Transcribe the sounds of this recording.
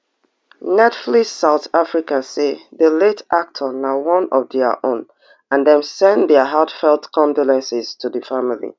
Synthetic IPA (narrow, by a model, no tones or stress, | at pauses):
nɛtflisːaʊθafɹikãseðəletak̚tʰənawɔ̃nɔvðɛəʔõ̰n | ãndɛ̃msɛ̃ndɛəɦatfɛlˠdkʰɔ̃ndɔlɛ̃nsɪz̥tʰuðəfamilḭ